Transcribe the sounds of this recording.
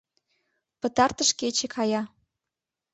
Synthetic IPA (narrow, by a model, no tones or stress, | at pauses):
pə̆t̪ɑrt̪əʃket͡ɕekʰɑjɑ